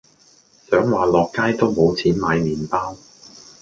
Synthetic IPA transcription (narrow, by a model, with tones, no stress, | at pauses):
sœː˨˥ŋwaː˨lɔː˨kːaː˥jt̪o˥wmo˨˧wt͡sʰiː˨˥nmaː˨˧jmiː˨˩npaː˥w